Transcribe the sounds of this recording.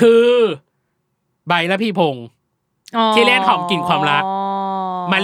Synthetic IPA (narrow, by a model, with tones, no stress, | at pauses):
kʰɯː˧ | ba˧jla˦˥pʰiː˧pʰo˧ŋ | t̪ʰiː˥˩le˥˩t̚hʰɔː˨˩˦mki˨˩nkʰwaː˧mɾa˦˥k̚ | ma˧l